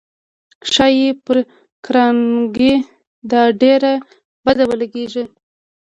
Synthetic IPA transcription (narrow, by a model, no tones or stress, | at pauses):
ʃɑjepəɾ | kɾɑnɡi | d̪ɑɖeɾa | bad̪awəlaɡeʒi